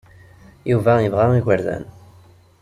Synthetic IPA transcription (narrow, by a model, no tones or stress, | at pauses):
juvæjəvʁæiʝʷəɾðæ̰n